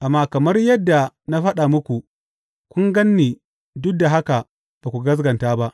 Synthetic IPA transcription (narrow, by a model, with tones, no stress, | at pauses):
ʔa˨mːaː˦kɐ˨mɐ˦rjɐ˦dːa˨na˦ɸɐ˦ɗa˨mʊ˦kʷu˨ | kʷʊ˦ŋɡɐ˦nːiː˨ | dʊ˦k̚da˨ɦa˦ka˨ | b̥aː˨kʷu˨ɡɐ˦z̬ɡɐ˨ntaː˦ba˦ʔ